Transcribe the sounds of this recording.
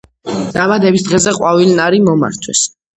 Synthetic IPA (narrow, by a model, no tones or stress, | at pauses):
d̪̥amad̪ɛbisd̪ʁɛzɛqʼwavilnaɾimɔma̰ɾt̪ʰwɛ̰s